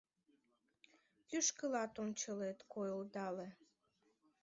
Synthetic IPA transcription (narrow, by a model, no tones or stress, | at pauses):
jyʃkəlɑt̪ont͡ɕəlet̪kojold̪ɑle